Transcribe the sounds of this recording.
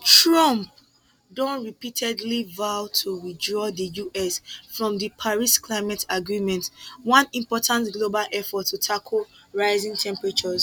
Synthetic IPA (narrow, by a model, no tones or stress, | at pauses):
tɹɔ̃mp̚ | dɔ̃nɹipitʰɛdlivaʊtʰuɹidɹɔðəjuʔɛsfɹɔ̃mðəpʰaɹiskʰlaɪmɛtaɡɹimɛ̃ntwãnĩmpɔtʰãntɡlobalʔɛfɔtʰːutʰakʰəl | ɹaɪzĩŋtʰɛ̃mpɹat͡ʃɔz